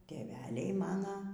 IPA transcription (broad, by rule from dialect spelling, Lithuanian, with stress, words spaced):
tʲeːˈʋʲæːlʲɛɪ mɐˈnɐ